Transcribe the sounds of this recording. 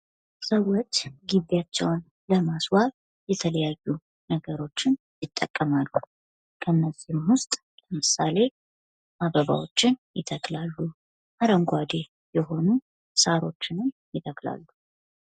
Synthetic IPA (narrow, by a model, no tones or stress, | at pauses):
səwːot͡ʃːɡiβjat͡ʃːɛwn | ləmaswaβ | jɛt̪ʰələjajːu | nəɡəɾo̞t͡ʃːɪn | jɪt̪ʼːəkʼːəmalːu | kʰənːəzimwʊst̪ʼ | ləmɨsale̞ | maβəβa̰wo̞t͡ʃːɪnjɪt̪ʰəklalːu | ʔaɾəŋɡʷad̪e̞ | jɛɦo̞nu | saɾo̞̰t͡ʃːɪnɨmjɪt̪ʰəkla̰lːu